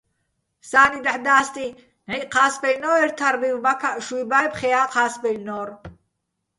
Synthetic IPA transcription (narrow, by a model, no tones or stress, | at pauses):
saːnid̪aħd̪aːst̪ʼi | nɛqʰaːsbɛlnɔːɛɾt̪ʰaɾvivmakʰaʔʃujbajpχɛjaːqʰaːsbɛlnɔːɾ